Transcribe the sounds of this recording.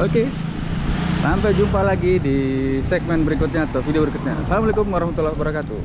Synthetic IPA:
oke | sampɛjd͡ʒumpalaɡidisɛɡ̚mɛnbəɾikʊt̪̚ɲaːt̪awfidiobəɾikʊt̪̚ɲa̰salamolekʊmwaɾahmat̪ualahbəɾakat̪u

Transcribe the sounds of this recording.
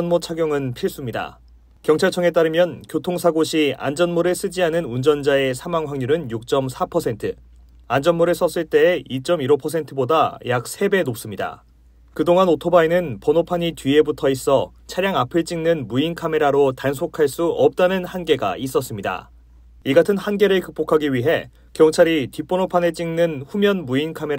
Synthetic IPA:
nmot͡ɕʰaɡjoŋɯnpʰiɭs͈umɲida̰ | kjʌŋt͡ɕʰaɭt͡ɕʰʌŋe̞t͈aɾɯmjʌnkjotʰoŋsʰaɡoɕʰia̰nd͡ʑʌnmoɾɯɭs͈ʰɯd͡ʑiɦanɯnund͡ʑʌnd͡ʑae̞sʰamaŋwaŋɲuɾɯnjuk̚t͡ɕ͈ʌmsʰapʰʌsʰe̞ntʰɯ | and͡ʑʌnmoɾɯɭs͈ʌs͈ɯɭt͈e̞ːit͡ɕ͈ʌmiɾʌpʰʌs̬ʰe̞ntʰɯbodajak̚sʰe̞be̞nop̚s͈ɯmɲida̰ | kɯdoŋanotʰobaenɯnpʌnopʰaɲitɥie̞butʰʌis͈ʌ | t͡ɕʰaɾjaŋapʰɯɭt͡ɕ͈iŋnɯnmuinkʰame̞ɾaɾotansʰokʰaɭs͈uʌp̚t͈anɯnhanɡe̞ɡa̰is͈ʌs͈ɯmɲida̰ | iɡatʰɯnhanɡe̞ɾɯɭkɯk̚p͈okʰaɡiɥiɦe̞ | kjʌŋt͡ɕʰaɾitip͈ːonopʰane̞t͡ɕ͈iŋnɯnɸumjʌnmuinkʰame̞ɾ

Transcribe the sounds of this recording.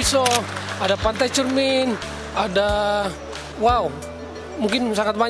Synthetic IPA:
isoadapant̪ajt͡ʃurmin | ada | wau | muŋkɪnsaŋat̪̚baɲ

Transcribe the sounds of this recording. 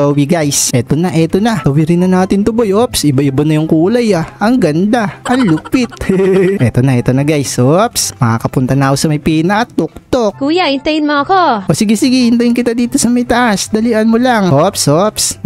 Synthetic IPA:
owiɡajsʔɛt̪onɐʔɛt̪onɐt̪ɐwɪɾɪnɐnaːt̪ɪnt̪ʊbojʔopsʔɪbaʔɪbanɐjʊŋkuːlɐjaʔɐŋɡɐnd̪aʔɐŋlupɪt̪̚ʔɛt̪onɐʔɛt̪o̞nɐɡajsopsmɐkakɐpʊnt̪ɐnakosɐmɐjpiːnɐkɐt̪ok̚t̪ok̚kuːjaʔɪnt̪ɐjɪnmoɐkoʔosiɡɪsɪɡɪɪnt̪ɐjɪnkɪt̪ad̪iːt̪o̞sɐmɐjt̪ɐʔasd̪ɐliʔɐnmolaŋʔopsʔops

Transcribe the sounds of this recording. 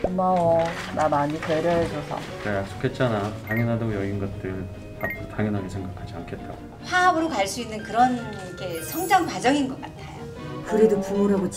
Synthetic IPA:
mʌnamaɲiteɾjʌɦed͡ʑʌsʰʌ̰ | kajak̚s͈o̥kʰe̞t̚t͡ɕ͈anataŋjʌnɦadaɡojʌɡinɡʌt̚t͈ɯɭ | apʰotaŋjʌnɦaɡesʰe̞ŋɡakʰad͡ʑia̰nkʰe̞t̚t͈a̰ɡo | ɸwaɦabɯɾokaɭs͈uinːɯnkɯɾʌn | kʰesʰʌŋd͡ʑaŋkwad͡ʑʌŋinɡʌk͈atʰajo | kɯɾidopuuɾaɡot͡ɕ

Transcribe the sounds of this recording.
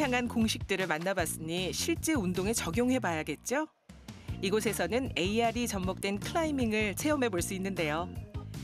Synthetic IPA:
jaŋɦankoŋɕʰik̚t͈ɯɾɯɭmanːabas͈ɯɲiɕʰiɭt͡ɕ͈e̞undoŋe̞t͡ɕʌɡjoŋɦe̞bajaɡe̞t̚t͡ɕ͈o | iɡosʰe̞sʰʌnɯne̞iaɾit͡ɕʌmːok̚t͈we̞nkʰɯɭaimiŋɯɭt͡ɕʰe̞jʌmɦe̞boɭs͈uinːɯnde̞jo

